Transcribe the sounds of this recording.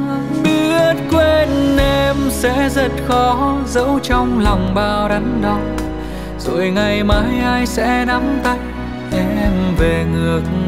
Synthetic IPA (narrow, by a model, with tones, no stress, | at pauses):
ɓi˧˥ət̚kwe˧nʔe˧msɛ̰˧˥zə˧˩t̚xɔ˨˦zə̰˧˥wt͡ɕɔ˧wŋ͡mlɔ˨˩wŋ͡mɓaː˧wɗa˨˦ŋɗɔ˨˦ | z̥o̰˧˨jŋa˨˩jmaː˨˦jʔaː˧jsɛ̰˧˥na˨˦mt̪a˧j | ʔɛ˧mve˨˩ŋɨ˨˩ək̚